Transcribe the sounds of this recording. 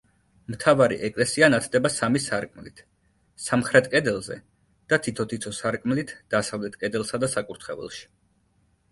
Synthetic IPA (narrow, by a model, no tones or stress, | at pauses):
mt̪ʰavaɾḭʔɛkʼlɛsianat̪ʰd̪ɛbasamisaɾkʼmlit̪ʰ | samχɾɛt̪̚ʰkʼɛd̪ɛlˠzɛ̰ | d̪̥at̪ʰit̪ʰɔt̪ʰit̪sʰɔsaɾkʼmlit̪ʰd̪̥asavlɛt̪ʰkʼɛd̪ɛlˠsad̪asakʼuɾt̪ʰχɛvɛ̰lˠʃi̥